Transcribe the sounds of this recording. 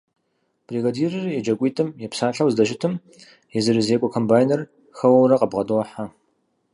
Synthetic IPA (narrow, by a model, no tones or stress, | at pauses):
b̥riɡadiːrɨrjɛd͡ʒɐkʷʼiːtʰɨmjɛpsaːɬɐwzdɐʃ̬ɪtʰɨm | jɛzɨɾɨzeːkʷʼɔkʰombaːjnɐr | xɐwɐwɾɐqʼɐbʁɐdoɐħa